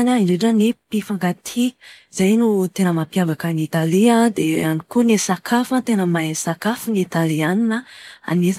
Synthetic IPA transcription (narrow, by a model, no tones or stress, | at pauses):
nainɖ͡ʐeʈ͡ʂənipifaŋɡat̪ʰizajnut̪enəmapiavakənit̪aliad̪eanikunesakʰafat̪enəmaesakafunit̪alianinəa̰nez